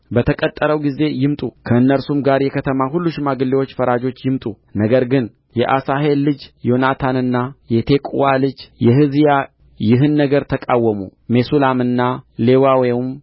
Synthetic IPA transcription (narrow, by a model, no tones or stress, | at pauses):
bət̪ʰəkʼət̪ʼːəɾəwɡize̞jɪmt̪ʼukʰəɨnːəɾsumɡaɾjɛkʰət̪ʰəmaɦulːuʃmaɡɨlːewo̞t͡ʃːfəɾad͡ʒo̞t͡ʃːjɪmt̪ʼu | nəɡəɾɡɨn | jɛʔasaɦe̞lːɨd͡ʒjo̞nat̪ʰanɨnːajɛt̪ʰe̞kʼuwalɨd͡ʒjɛɦɨzija | jɪɦɨnːəɡəɾt̪ʰəkʼawːəmṵme̞sulamɨnːalewawewm